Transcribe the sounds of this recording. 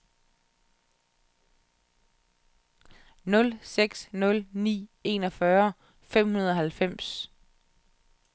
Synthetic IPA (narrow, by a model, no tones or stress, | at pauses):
nɔ̽lseɡ̥snɔ̽lnḭːe̝ːnɒ̽fɶɐ | fem̰hunɐð̞̩ˠɒ̽ɦhælfem̰s